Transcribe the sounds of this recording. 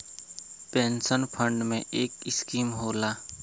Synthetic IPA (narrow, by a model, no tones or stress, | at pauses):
pẽːnsənpʰə̃ɳɖmḛ̃ʔeːkɪskiːmɦoːlaː